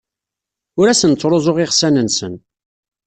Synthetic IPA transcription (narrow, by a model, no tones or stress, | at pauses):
ʊɾæsənt͡sːɾˤozˤoʁɪʁsænənsən